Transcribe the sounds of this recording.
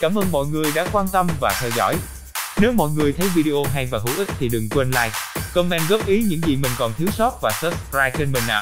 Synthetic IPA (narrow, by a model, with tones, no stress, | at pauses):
kaː˧˩mʔəː˧nmɔ̰˧˨jŋɨ˨˩əjɗa̰ː˧˥kwaː˧nt̪ə˧mvaː˨˩t̪ʰɛː˧wzɔ̰˧˩j | ne˨˦wmɔ̰˧˨jŋɨ˨˩əjt̪ʰə˨˦jvi˧ɗi˧ʔo˧ɦa˧jvaː˨˩ɦṵ˧˩˥ʔï˦˥k̚t̪ʰi˨˩ɗɨ˨˩ŋkwe˧nla̰ː˧jkə˧wŋ͡mʔɛ˧nɣə˦˥p̚ʔi˨˦ɲɨ̰˧˥ŋzi˨˩mï˨˩ŋ̟kɔ˨˩nt̪ʰi˨˦wsɔ˦˥t̚vaː˨˩sə˦˥p̚skɾaː˧jt͡ɕe˧nmï˨˩ŋ̟ʔa̰ː˧˨˩